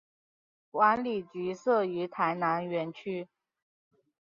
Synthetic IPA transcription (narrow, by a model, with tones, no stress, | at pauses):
kwa˧˥nli˨˩t͡ɕy˧˥sɤ˥˩y˧˥t̪ʰa˧˥ɪna˧˥nɥɛ˧˥nt͡ɕʰy˥